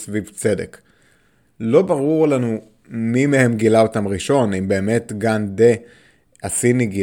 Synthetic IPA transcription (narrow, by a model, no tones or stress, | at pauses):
svivt͡se̞dḛk | lo̞baʁuʁlanu | mimehemɡilaotamʁiʃo̞nimbe̞ːme̞tɡande | asiniɡi